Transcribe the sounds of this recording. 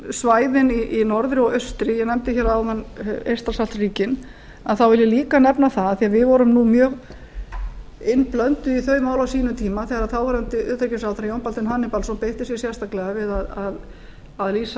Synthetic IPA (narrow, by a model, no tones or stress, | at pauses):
svaːjðɪniʔinɔɾðɾɪɔɣœst̪ɾɪjɛnɛmt̪ɪçɛːɾawðanḛjrst̪ɾasalt̪riːcɪn | aðθawvɪljʏliːkanɛpnaθaðθiaðvɪðvɔɾʏmnumjœːɣ | ɪnːplœnt̪ʏiθœːɥmaːwlawsiːnʏt̪ʰiːmaθɛɣaɾaθawvaɾɛnt̪ɪʔʏt̪ɾecɪsawθɾjownpalt̪ɪnɦaːnɪpalsɔnpejht̪ɪsjɛsjɛ̥st̪aklɛɣavɪðaðað | aðliːsa